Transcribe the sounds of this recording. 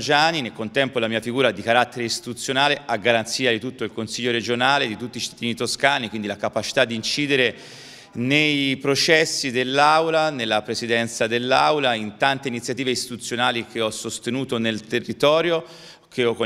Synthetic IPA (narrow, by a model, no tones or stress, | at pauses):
d͡ʒaːninelkont̪ɛmpolamiːafiɡuːɾad̪ikaɾat̪ːeɾeist̪i̥t̪ut̪sːjonaːleʔaɡːaɾant̪siːad̪it̪ut̪ːoilkonsiʎːoɾed͡ʒonaːled̪it̪ut̪ːiːt͡ʃi̥t̪ːad̪iːnit̪oskaːnikwind̪ilakapat͡ʃi̥t̪ad̪ːiint͡ʃiːd̪eɾe | nejpɾot͡ʃɛsːid̪elːawlanelːapɾesid̪ɛnt̪sad̪elːawlaint̪ant̪einit̪sjat̪iːveist̪it̪ut̪sːjonaːlik̟ʰeɔsːost̪enuːt̪onelt̪erːit̪ɔːɾjo | kʰeɔko